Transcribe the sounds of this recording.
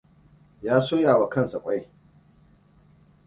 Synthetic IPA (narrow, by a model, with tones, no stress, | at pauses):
jaː˦soː˦jaː˨wa˨kɐ˦˨nsa˨kʷʼa˦j